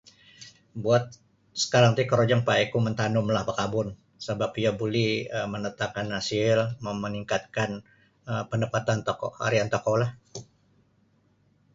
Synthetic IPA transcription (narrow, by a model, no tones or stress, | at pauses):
buat̪̚ | sə̥kaɾaŋt̪ikəɾod͡ʒaŋpaekumənt̪anʊmlahbəkabʊn | səbapiabuliəmənət̪akanːasɪlməməniŋkat̪̚kan | əpəndəpat̪ant̪akɔha̰ɾiant̪akolah